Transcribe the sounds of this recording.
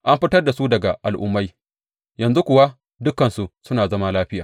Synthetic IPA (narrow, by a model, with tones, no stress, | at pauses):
ʔa˦mɸɪ˦tɐ˦rda˨su˦dɐ˨ɡa˨ʔa̰˨lʔʊ̰˦mːa˦j | jɐ˨nzu˦kʷʊ˨wa˦ | dʊ˦kːɐ˨nsu˨sʊ˦naː˨zɐ˦ma˦laː˦ɸɪ˦jaː˨